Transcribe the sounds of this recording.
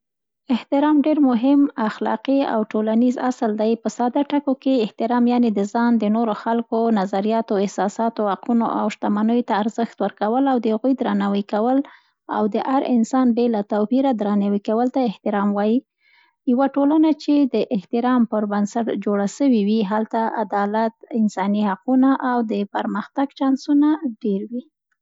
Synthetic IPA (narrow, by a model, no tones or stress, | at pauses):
ɪht̪ɪɾɑmɖeɾmʊɦɪmaxlɑ̰qia̰wʈolaniza̰səld̪ajpəsɑd̪aʈakokeɪht̪ɪɾɑmjɑned̪əzɑnd̪ənoɾoxalkonazaɾijɑt̪oɪhsɑsɑt̪ohaqunoʔa̰wʃt̪amanəjot̪aːɾzəxt̪wəɾkawəlawd̪əhaɣujd̪ɾanawəkawəl | a̰wd̪əʔaɾɪnsɑnbelat̪awpiɾad̪ɾɑnawikawəlt̪aɪht̪ɪɾɑmwɑji | jawaʈolanat͡ʃed̪əʔɪht̪ɪɾɑmpəɾbənsaʈd͡ʒoɽasəwiwiɦalt̪aa̰d̪ɑlat̪̚ɪnsɑnihaqunaʔawd̪əpəɾməxt̪aɡt͡ʃɑnsunaɖeɾwi